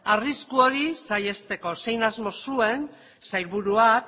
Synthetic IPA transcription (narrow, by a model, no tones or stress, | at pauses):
ariskuo̞ɾisaje̞st̪e̞ko̞se̞jnazmo̞sue̞n | sajlβuɾua